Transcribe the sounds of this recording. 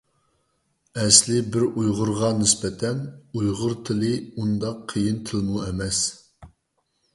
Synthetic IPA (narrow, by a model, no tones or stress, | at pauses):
ɛslɪbɪɾujʁʊɾʁɑnɪspɛt̪ʰɛnujʁʊɾt̪ʰɪlˠɪund̪ɑqʰːəjint̪ʰɨlmuɛmɛs